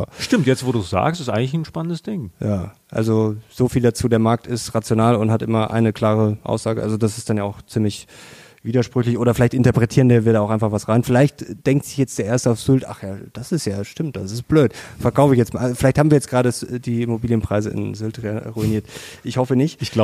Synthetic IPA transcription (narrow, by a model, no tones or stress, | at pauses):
ʃtɪmtjɛt͡stvoːduːsz̥a̰ːkstɪstʔaɪɡŋ̩lɪçn̩ʃpanəndəsd̥ɪŋjaːʔa̰lzoz̥oːfiːldat͡suːdeːɐmaɐk̚tɪstʁat͡sjonaːlʊnthatʔɪmɐʔa̰ɪnəkʰl̥aːʁəʔa̰ʊsz̥aːɡəʔa̰lzodas̬ɪstd̥anjaːʊxχt͡siːmlɪç | v̥iːdɐʃpʁ̥ʏçlɪçʔoːɾɐfɪlaɪçtɪntɐpʁ̥ɛtʰiːʁəndiːɐviːɐɾaːʊʔaɪnfaχv̥asʁaɪnfɪlaɪçtd̥ɛŋk̚tz̥ɪçjɛt͡sd̥eːɐʔeːɐstəaʊfz̥ʏlta̰χjaːd̥asɪstjaːʃtɪmt̚d̥asɪst̚b̥løːtfɛɐkʰaʊfɪçjɛt͡smafɪlaɪçthaːmviːɐjɛt͡sɡ̥ʁaːdəɛdiːɪmobiːljənpʁ̥aɪzəɪ̰nzʏltʁʁuiniːɐtʔɪçhɔfənɪçtɪç̥la